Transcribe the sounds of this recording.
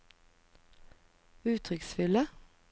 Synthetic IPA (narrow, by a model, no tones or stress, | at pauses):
ʉːt̪ʰʁʏksfʏlə